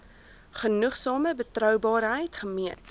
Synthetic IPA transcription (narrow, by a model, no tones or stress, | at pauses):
χənuχsɑːməbətrœwbɑːɾɦəjtχəmiənt